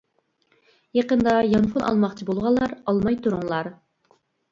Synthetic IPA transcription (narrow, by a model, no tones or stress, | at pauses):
jɑqənd̪ɑjɑnpʰʊnʔɑ̰lˠmɑχt͡ʃʰɪbolˠʁɑlˠːɑɾɑlˠmɑjt̪ʰuɾʊŋlˠɑɾ